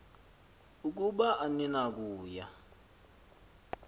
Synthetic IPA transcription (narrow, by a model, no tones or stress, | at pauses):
uk̬uɓaʔaninak̬uːja